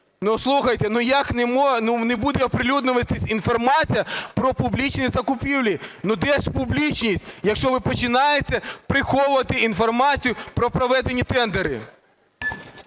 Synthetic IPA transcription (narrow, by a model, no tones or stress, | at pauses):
nuslˠuxɐjt̪enʊjaknemɔnunebud̪ɛɔpɾɪlʲud̪nʊʋɐt̪ɪsʲinfɔrmɑt͡sʲijɐpɾɔpʊblʲit͡ʃnɪjzɐkʊpʲiwlʲinʊd̪ɛʃpʊblʲit͡ʃnʲisʲtʲjɐkʃt͡ʃɔʋɪpɔt͡ʃɪnɑjet͡sʲːɐpɾɪxɔwʊʋɐt̪ɪinfɔrmɑt͡sʲijʊpɾɔpɾɔʋɛd̪enʲːit̪ɛnd̪eɾɪ̰